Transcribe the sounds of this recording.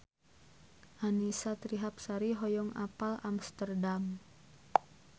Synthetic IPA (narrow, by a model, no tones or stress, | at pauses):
ʔanisat̪ɾiɦap̚saɾiɦɔjɔŋa̰palamst̪ərdam